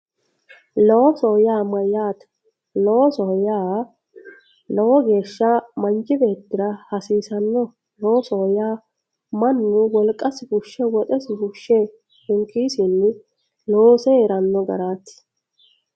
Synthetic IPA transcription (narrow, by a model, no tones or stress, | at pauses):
lɔwɔsoːjaːmɐjaːt̪ɐ̥ | lowɔsɔjaː | lɔwɔɡe̞ːʃːɐmɐnd͡ʒɪbe̞ːt̪ːɪɾɐhɐsiːsɐnːɔ | lowɔsoːjaː | mɐnːʊwɔlkʼːɐsɪhʊʃːɛwɔt̪ʼɛsɪhʊʃːɛ | hɪŋkːiːsɪnːɪ | loːsɛɛɾɐnːɔɡɐ̰ɾaːt̪ːɪ̥